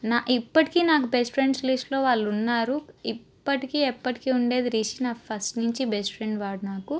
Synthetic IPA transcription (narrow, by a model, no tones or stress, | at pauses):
naːʔipːɐʈi̥kiːnaːkubesʈfɾe̞ɳɖsliʂlo̞ːʋaːɭːunːaːɾuipːɐʈikiːɛpːɐʈi̥kiːuɳɖe̞ːd̪iɾiːʃinaːkpʰɐsʈnuɲt͡ʃibesʈpʰɾe̞ɳɖʋaːɽunaːku